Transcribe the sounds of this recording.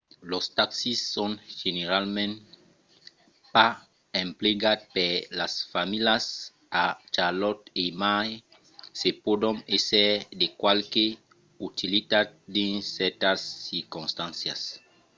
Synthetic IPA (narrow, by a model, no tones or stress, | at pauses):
lost̪aksisːonʒeneɾalmẽn | pa | ẽmpleɡat̪̚peɾlasfamilas | at͡ʃalɔt̪emaj | sepodonesɛɾdekwalke | ut̪ilit̪at̪̚d̪ensɛɾt̪asːiɾkũnst̪ãnsjas